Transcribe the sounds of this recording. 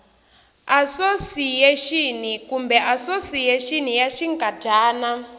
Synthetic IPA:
asosijɛʃin̤ikumbɛʔasosijɛʃin̤ijaʃiŋkʼadʱaːna

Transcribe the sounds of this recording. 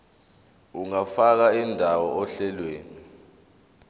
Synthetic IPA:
uŋafak̬aindʱawɔɔɬɛlweːni

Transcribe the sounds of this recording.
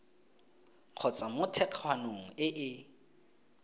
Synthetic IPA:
q͡χʰɔt͡sʼamʊtʰɛq͡χʰwanoŋ̩ɪʔɪ

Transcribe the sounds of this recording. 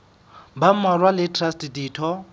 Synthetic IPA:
bamarwalɪtʰʼrastʼdiːtʰɔ

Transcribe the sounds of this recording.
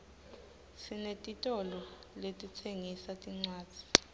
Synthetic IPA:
sinetʼitʼɔlɔ | letʼit͡sʰeŋisatʼiŋ͡ǀwḁːd͡z̥ʱi̥

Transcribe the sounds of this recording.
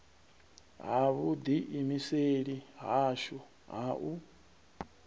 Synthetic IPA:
ɦaβud̪iʔimiseɺiɦaʃu | ɦaʔu

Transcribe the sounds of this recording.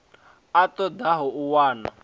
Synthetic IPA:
atʼɔd̪aɦɔʔuwaːna̰

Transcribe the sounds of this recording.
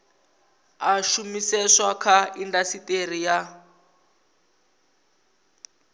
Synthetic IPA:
aʃumisɛʂwakʰaindasiter̤ija

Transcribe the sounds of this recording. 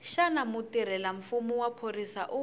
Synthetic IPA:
ʃanamʊtiɾɛlaɱ̩fumuwapʰorisa̰ʔʊ

